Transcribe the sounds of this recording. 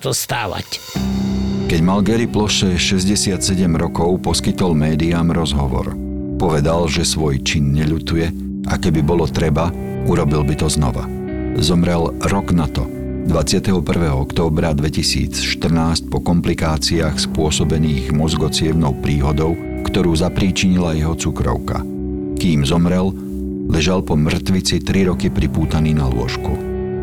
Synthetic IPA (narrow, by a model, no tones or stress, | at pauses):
z̥ɔst̪a̰ːʋa̰c | kɛɟmalɡɛɾiplɔʃɛʃɛzɟɛsɪat̪sɛɟɛmɾɔkɔʊpɔskit̪ɔlmɛːd̪iaːmɾɔzɦɔʋɔ̰ɾ | pɔʋɛd̪alʒɛsʋɔjt͡ʃinɲɛʎut̪ujɛ | ʔakɛbibɔlɔt̪ɾɛba | uɾɔbilbit̪ɔznɔ̰ʋa̰ | zɔmɾɛlɾɔɡnat̪ɔ | d̪ʋat͡sɪat̪ɛɦɔpr̩ʋɛːɦɔɔkt̪ɔːbɾad̪ʋɛcisḭːt͡sʃt̪r̩naːsc̚pɔkɔmplikaːt͡siaːxspʊɔsɔbɛniːɣmɔzɡɔt͡sɪɛʊnɔʊpɾiːɦɔd̪ɔʊ | kt̪ɔɾuːzapɾiːt͡ʃiɲilajɛɦɔt͡sukɾɔ̰ʊka̰ | kiːmzɔmɾɛl | lɛʒalpɔmr̩t̪ʋit͡sit̪ɾiɾɔkipɾipuːt̪aniːnalʊɔ̰ʃkṵ